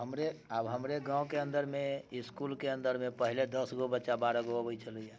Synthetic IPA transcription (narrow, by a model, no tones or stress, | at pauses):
ɦəmɾeabɦəmɾeɡãõkeənd̪əɾmeiskulkeə̃nd̪əɾmẽpəɦiled̪əsɡobətːʃabaɾaɡoəbət͡ʃʰələjã